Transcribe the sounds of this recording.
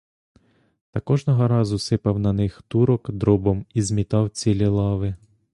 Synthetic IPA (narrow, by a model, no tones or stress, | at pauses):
t̪ɐkɔʒnɔɦɔɾɑzʊsɪpɐwnɐnɪxt̪uɾɔkd̪ɾɔbɔmizmʲit̪ɑwt͡sʲilʲilˠɑʋɪ